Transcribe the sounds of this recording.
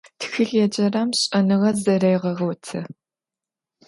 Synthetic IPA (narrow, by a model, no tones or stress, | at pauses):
txɨɮjɛd͡ʒɐrɐmɕʼɐnɨʁɐzɐɾejʁɐʁowtʰɨ